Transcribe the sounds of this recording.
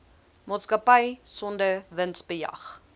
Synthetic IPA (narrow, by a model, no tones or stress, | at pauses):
mɑːtskɐpəjsɔndəvənsbəjɐ̰χ